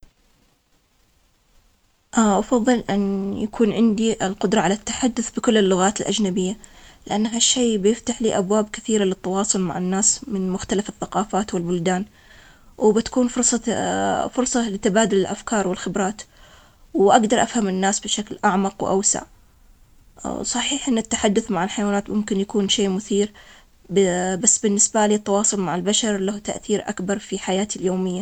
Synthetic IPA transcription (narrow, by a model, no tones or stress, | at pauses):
ʔaʔɑfɑðˤːɨlʔɪnjakʰuːnʕɪnd̪iʔɪlqʊd̪ɾˤɑʕalat̪ːḁħad̪ːʊθbɪkʊlːɪlːʊɣaːt̪ɪlʔad͡ʒnabɪjːalɪʔanːɦaʃːeːbjɪft̪aħliːʔabwaːbkɪθiːɾalɪt̪ːɑwɑːsˤʊlma̰ʕɪnːaːsmɪnmʊxt̪alafɪθːaqɑːfaːt̪wɪlbʊld̪aːn | wbɪt̪ḁkuːnfʊɾsˤɑ | fʊɾˤsˤɑlɪt̪abaːd̪ʊlɪlʔafkɑːɾˤwɪlxɪbɾˤɑːt̪ | wʔaɡd̪ɑɾˤʔafhamɪnːaːsbɪʃaklʔaʕmɑqwʔa̰wsa̰ʕ | sˤɑħiːħʔɪnːɪt̪ːaħad̪ːʊθmaʕɪlħajwaːnaːt̪mʊmkɪnjakuːnʃeːmʊθiːɾ | bbasːbɪnːɪsbaliːt̪ˤːɑwɑːsˤʊlmaʕɪlbaʃɑɾˤlaht̪aʔθiːɾʔakbɑɾˤfiħajaːt̪iljoːmɪjːa